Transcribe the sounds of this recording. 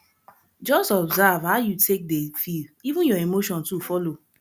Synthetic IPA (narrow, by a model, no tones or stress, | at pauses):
d͡ʒɔstɔbzavhaʊjutʰek̚defilivũnjɔemoʃɔ̃ntufɔlo